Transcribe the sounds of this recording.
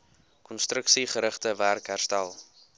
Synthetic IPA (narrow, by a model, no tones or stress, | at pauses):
kɔnstɾəksiχəɾəχtəværkɦærstælˠ